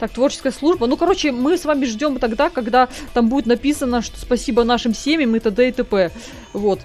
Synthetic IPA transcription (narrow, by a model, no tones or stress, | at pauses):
t̪ak̚t̪vo̞rt͡ɕɪ̥skəjəslˠuʐbənukɐɾo̞t͡ɕɪmɨsvamʲɪʐdʲo̞mt̪ɐɡd̪akɐɡd̪at̪ambudʲɪt̪nɐpʲisənəʂt̪ospɐsʲibənaʂɨmsʲemʲɪmɨt̪əd̪ɛɪt̪ɨpɛ | vo̞t̪